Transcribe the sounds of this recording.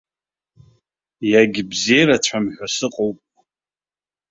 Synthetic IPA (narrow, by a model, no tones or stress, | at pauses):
jaɡʲɪbzejɾat͡ɕʷʰamħᶣasɨqʼowpʼ